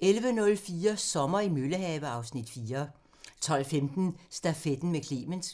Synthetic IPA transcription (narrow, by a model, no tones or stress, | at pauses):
ʔelʋənɔ̽lfiːɐsɒ̽mɐimøləɦɛːʋəɑ̈ʊsnid̥fiːɐ | t͡sʰɒ̽l̰femd̥n̩sd̥æfed̥n̩mekʰlḛːməns